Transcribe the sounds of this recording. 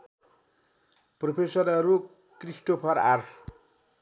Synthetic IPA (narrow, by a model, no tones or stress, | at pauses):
propʰesʌɾʌɾu | krisʈopʰʌɾarʰ